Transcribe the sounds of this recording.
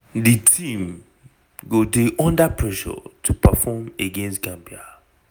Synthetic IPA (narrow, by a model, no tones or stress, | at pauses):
ditʰĩm | ɡodeʔɔ̃ndapʰɹɛʃɔ̰tʰupafɔmeɡẽnstɡãmbia